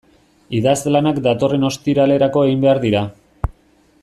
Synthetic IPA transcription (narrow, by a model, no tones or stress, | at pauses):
iðazlanakd̪at̪o̞re̞no̞st̪iɾale̞ɾako̞e̞ɣimbe̞aɾðiɾa